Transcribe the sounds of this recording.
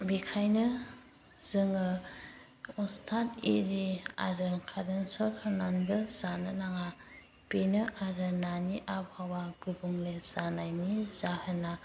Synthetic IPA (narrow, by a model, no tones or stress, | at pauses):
bikʰajnɯ | zɯŋɯ | ɔstʰatḭɾia̰ɾɯkʰadɯnsɔɾhananbɯzanɯnaŋa | penɯʔaɾɯnaniʔabhawaɡubuŋlezanajnizahɯna